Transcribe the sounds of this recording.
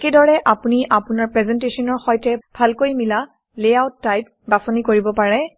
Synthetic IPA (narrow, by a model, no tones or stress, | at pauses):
kedɔɹɛʔapuniʔapʊnaɹpɹɛzɛntesɔnɔɹxɔjtɛbʱalkojmila | leawtːajp̚ | basɔnikoɹibɔpaɹɛ